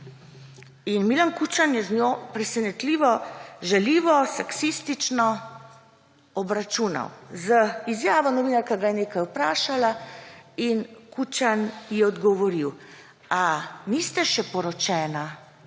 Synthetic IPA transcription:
inmiːlankut͡ʃanjɛzɲjoːpɾɛsɛnɛt̪liːʋɔʒɛliːʋɔsaksist̪it͡ʃnɔ | ɔbɾat͡ʃuna̰wzəizjaːʋɔnɔʋiːnaɾkaɡajɛneːkajupɾaːʃala | inkut͡ʃanjɛɔd̪ɡɔʋɔɾiw | anist̪ɛʃɛpɔɾɔt͡ʃɛːna

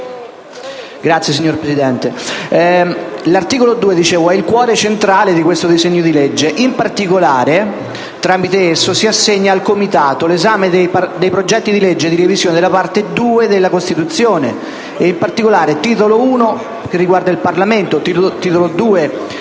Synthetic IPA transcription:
ɡɾat̪sːjes̬iɲːorpɾesid̪ɛnt̪e | lart̪iːkolod̪uːed̪it͡ʃeːvoɛilkwɔːɾet͡ʃent̪ɾaːled̪ikwest̪od̪izeɲːod̪iled͡ʒːeʔimpart̪ikolaːɾe | t̪ɾamit̪eesːosiasːeɲːaːlkomit̪aːt̪olezaːmed̪ejpd̪ejpɾod͡ʒɛt̪ːid̪iled͡ʒːed̪iɾevizjoːned̪elapart̪ed̪uːed̪elːakost̪it̪ut̪sːjoːneː | impart̪ikolaːɾet̪iːt̪̬olouːno | k̟erːiɡward̪ailparlament̪ot̪it̪iːt̪olod̪uːe

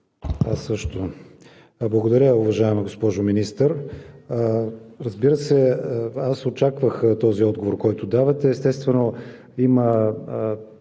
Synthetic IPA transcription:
asɤʃt̪o | blˠɐɡod̪ɐɾʲəʊvɐʒaɛməɡospɔʒʊminist̪əɾ | ɾəzbiɾəsɛasot͡ʃakvəxt̪ɔziɔd̪ɡovoɾkɔjt̪ʊd̪avɐt̪ɛːst̪ɛst̪vɛno | imə

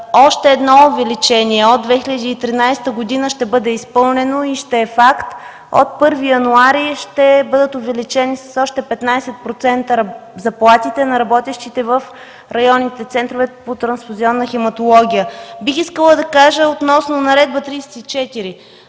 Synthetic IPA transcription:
ɔʃt̪ɛːd̪nɔʊvɛlit͡ʃɛniɛod̪d̪vɛxiləd̪iːt̪ɾinajsɛ̥t̪əɡod̪inəʃt̪ɛbɤd̪ɛispɤlˠnɛnoiʃt̪ɛːfakt̪ | o̰t̪̚pɤɾvijɐnuaɾiʃt̪ɛbɤd̪ət̪ovɛlit͡ʃɛnisɐ̥sɔʃt̪ɛpɛt̪najsɛt̪̚pɾot̪sɛnt̪əɾzɐplˠat̪it̪ɛnɐɾɐbɔt̪ɛʃt̪it̪ɛvəf | ɾɐjɔnːit̪ɛt̪sɛnt̪ɾovɛpot̪ɾɐnsfuziɔnːəxɛmɐt̪olˠɔɡʲijəbixiskəlˠəd̪ɐkaʒəot̪nɔsnonɐɾɛd̪̚bət̪ɾijsɛ̥t̪it͡ʃɛt̪iɾi

